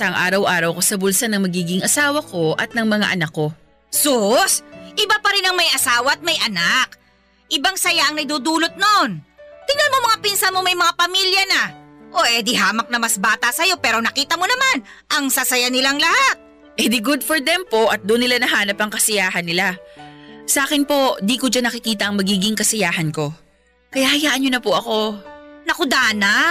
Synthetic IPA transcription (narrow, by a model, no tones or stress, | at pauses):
aɐŋʔa̰ːɾɐwʔaːɾɐwkosɐbʊlsɐnɐŋmɐɡiːɡɪŋɐsaːwɐkʰo̞ʔɐ̰t̪̚nɐŋmɐŋa̰ʔɐnɐkːo̞ | sosʔɪbapɐɾɪnɐŋmɐjʔɐsaːwɐɐt̪̚mɐjʔɐnak | ʔɪbaŋsɐjaʔɐŋnɐɡ̚d̪uːd̪uːlo̞t̪̚noʔont̪ɪŋɐnmomɐŋapinsɐnmomɐjmɐŋapɐmiljɐnɐʔoʔɛd̪ɪɦaːmɐk̚nɐmɐsbaːt̪ɐsɐjo̞pɛːɾo̞nɐkiːt̪ɐmonɐman | ʔɐŋsɐsɐjanɪlaŋlɐhat̪̚ | ʔɛd̪ɪɡʊd̪fɔɹd̪ɛmpo̞ʔɐt̪̚d̪ʊnːɪlanɐɦaːnɐpɐŋkɐsɐjaːɦɐnːɪla | sɐʔaːkɪnpo̞d̪iːkod͡ʒanːɐkɪkiːt̪ɐʔɐŋmɐɡiːɡɪŋkɐsɐjaːhɐnko̞ | kɐjahɐjaːʔɐnːonɐpʊʔɐko̞nɐkʊd̪aːnɐ